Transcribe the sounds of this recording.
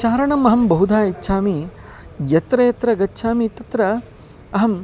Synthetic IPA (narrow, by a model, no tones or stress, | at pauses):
ʃaːɾɐɳɐmɐɦɐmbɐɦud̪ʱaːitːʃʰaːmi | jɐt̪ɾɐjɐt̪ɾɐɡɐtːʃʰaːmit̪ɐt̪ɾɐ | ɐɦɐm